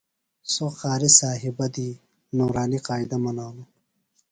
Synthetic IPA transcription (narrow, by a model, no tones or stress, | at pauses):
soxaːɾisaːɦibɐd̪i | noːɾaːniqaːid̪ɐmɐnaːnu